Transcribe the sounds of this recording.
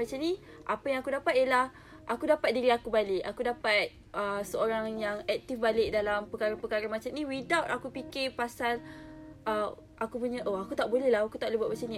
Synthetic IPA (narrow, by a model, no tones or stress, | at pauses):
at͡ʃanĩ | ʔapəjãŋakudapat̪̚iəlah | ʔakudapat̪̚diɾiakubalɪʔakudapat̪̚ | əsəoɾaŋjaŋɛk̚t̪ifbalɪk̚dalampəkaɾapəkaɾamat͡ʃamnĩwidawt̪akupikɪpasalʔə | ʔakupuɲə̃ʔoakut̪aʔbolɛhlaakut̪aʔləbaʔ̚mat͡ʃanĩ